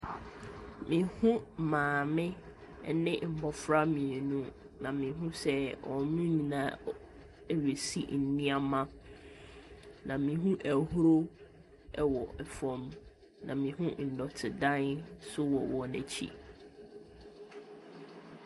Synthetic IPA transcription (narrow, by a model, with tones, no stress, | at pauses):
mĩ˨hũ˦˨mãː˨mɪ̃˦ | nɪ̃˦m̩˨bɔ˨fɾa˦mĩ˨nũ˦ | nã˨mĩ˨ɦũ˦sɛ˦ɔ˨nũ˦nĩ˨nã˨˦ | ɥe˨si˦n̩˨nĩ˦a˦mã˦ | nã˨mĩ˨˦ɦũ˦ʔæ˨hɾo˦ | ɛ˦wɔ˨ɛ˨fɔ̃˨m | nã̰˨mĩ˨ɦũ˦n̩˨dɔ˨tʰɪ˨dã˦nsʊ˦wɔ̰˨wɔ˨næ̰˨t͡ɕʰḭ˦˨